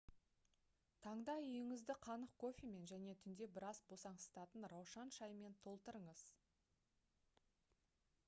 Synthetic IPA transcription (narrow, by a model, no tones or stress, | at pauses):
t̪ʰɑɴd̪ɑʏjɪŋɪzd̪ɪqʰɑnəqkʰo̞fʲime̞nʒæne̞t̪ʰʏnd̪e̞bɪɾɑzbo̞sɑɴst̪ɑt̪ənɾɑwʃɑnʃɑjme̞nt̪ʰo̞lˠt̪əɾəɴəz̥